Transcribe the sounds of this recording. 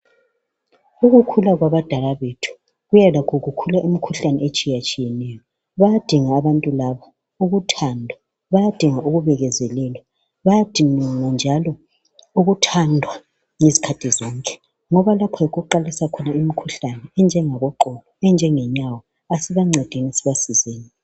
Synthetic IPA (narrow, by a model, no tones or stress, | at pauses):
uɣukʰulaɣwaβad̥ʱalaβetʰu̥ | ɣujalakʰuɣukʰulaʔimikʰuɬanɛet͡ʃʼijat͡ʃʼijɛnɛjɔ | βajad̥ʱiŋaːβantʼulaβa | uɣutʰandʱwa | βajad̥ʱiŋaʔuɣuβɛɣɛzɛlɛlwa | βajad̥ʱiniŋand͡ʒʱalɔ | uɣutʰandʱwa | ŋezi̥kʰatʰizɔŋkʼɛ̥ | ŋɔβalapʰɔjeɣuǃalisakʰɔnaimikʰuɬanɛɛnd͡ʒʱɛŋaɣɔǃɔlɔɛnd͡ʒʱɛŋɛɲawɔ | asiβaŋ͡ǀʱɛd̥ʱinisiβasizeːni